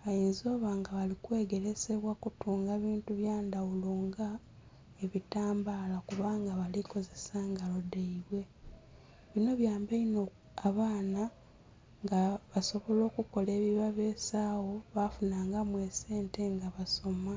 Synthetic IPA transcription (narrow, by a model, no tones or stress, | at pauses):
ajiːnzo̞ːβaːŋɡaβalikweːɡe̞ɾe̞se̞βwakutuːŋɡeβiːntuβjaːndawuluːŋɡa | eβitaːmbaːlakuβaːŋɡaβaliko̞ze̞saŋɡalo̞deiβwe̞ | βino̞βjaːmbeino | aβaːna | ŋɡaβaso̞βo̞lo̞ːkuko̞le̞ːβiβaβeːsawo̞βafunaːŋɡamwe̞ːse̞ːnte̞ŋɡaβaso̞ma